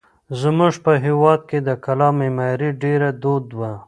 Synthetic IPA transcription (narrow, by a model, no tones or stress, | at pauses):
zmuʐpəɦewɑd̪̚ked̪əkalɑmemajɾiɖeɾad̪od̪wa